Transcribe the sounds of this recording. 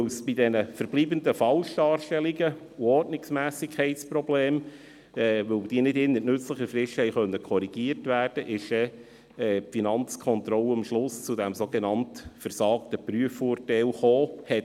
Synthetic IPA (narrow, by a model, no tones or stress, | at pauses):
lsb̥idɛnəfəɾb̥liːbənd̪əfɑlʃdɑːɾʃtɛliɡə | uɔtnɪksmæːsɪkʰɛɪtsprɔbleːm | ɛːʋɵld̥iːənɪdɪnːətnɵt͡sləχəfɾɪʃhɛɪχœnːəkʰɔɾiɡ̥iəɾtʋæːrd̥əʔɪʃɛ | ɛpfinɑnt͡skʰɔnt̪ɾɔləəmʃlʊst͡sʊdɛmsoɡɛnɑntfəɾsɑːktəpryəfoːrtɛɪlχoːhɛt